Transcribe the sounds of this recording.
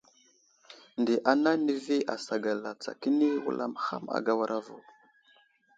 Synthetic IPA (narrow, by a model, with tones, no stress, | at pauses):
ndi˨ʔa˨na˦ni˦vi˦ʔa˨sa˨ɡa˨la˨t͡sa̰˨ki˦ni˦wṵ˦lʔa̰˦mha̰˦ma̰˨ɡa˦wa˦ɾʔa˦vo̰˨